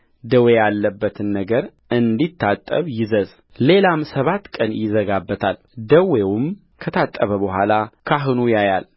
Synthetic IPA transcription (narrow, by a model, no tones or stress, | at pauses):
d̪əwejalːəbːət̪ʰɨnːəɡəɾ | ɨnd̪it̪ʰːat̪ʼːəβjɪzəz | le̞lamsəβat̪ːkʼənjɪzəɡabːət̪ʰal | d̪əwewʊm | kʰət̪ʰat̪ʼːəβəbəɦʷalakʰaɦɨnujajal